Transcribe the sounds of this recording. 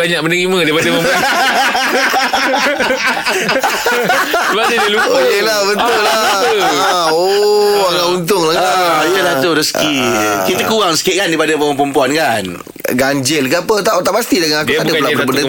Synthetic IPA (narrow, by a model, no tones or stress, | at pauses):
aɲak̚mənəɣimə̃daipadəpəmu | balidilupokelabət̪ʊlaaoaŋaunt̪̬ʊŋlaajəlat̪uɾəskikit̪əkuɣaŋsəkiɪʔ̚kandaipadəpəməpəmpuankan | ɡaɲd͡ʒɪlkəapət̪aʔot̪aʔpast̪idəŋanakduadəulaʔbədə